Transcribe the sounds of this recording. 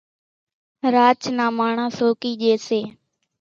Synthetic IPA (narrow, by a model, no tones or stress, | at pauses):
ɾaːt͡ʃnaːmaːɳãːsoːkiːʄeːseː